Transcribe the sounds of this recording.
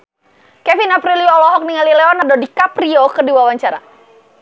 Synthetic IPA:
kɛfinapɾiliɔlɔɦɔk̚niŋalilɛɔnadodikapɾiɔkərdiwawaɲt͡ʃaɾa̰

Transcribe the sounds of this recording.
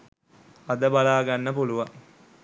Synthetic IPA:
ɐd̪əbalaːɡanːəpuluʋaŋ

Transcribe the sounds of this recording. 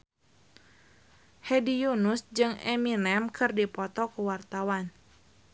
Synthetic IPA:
hɛdijunusd͡ʒɨŋɛminɛmkʰɨrdipɔt̪ɔkəwart̪awan

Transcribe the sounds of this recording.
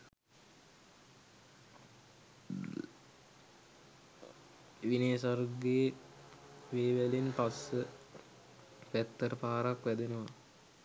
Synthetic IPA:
ʋineːsarɡeː | ʋeːʋælenpasːə | ʋæt̪ːəɾəpaːɾakʋæd̪enəʋa

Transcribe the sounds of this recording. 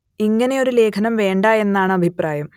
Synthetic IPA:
iŋːɐne̞o̞ɾule̞ːkʰɐnɐmʋe̞ːɳɖae̞nːaːɳɨɐbʱipraːjɐm

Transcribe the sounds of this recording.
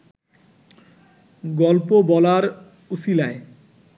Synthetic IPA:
ɡɔlpobɔlaɾ | usilae

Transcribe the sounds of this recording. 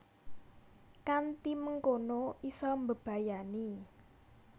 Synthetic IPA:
kant̪iməŋkonoisɔmbə̤b̥ä̤jani

